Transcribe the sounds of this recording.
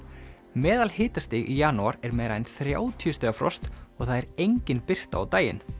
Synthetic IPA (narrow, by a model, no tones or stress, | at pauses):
mɛːðalhɪːt̪ast̪ɪːɣḭjaːnuaɾɛɾmɛːjɾajnθɾja̰ːwt̪ʰiʏst̪ɛːɣafɾɔ̰st̪ɔɣθaðɛɾejɲcɪnpɪr̥t̪a̰awt̪aːjɪ̰n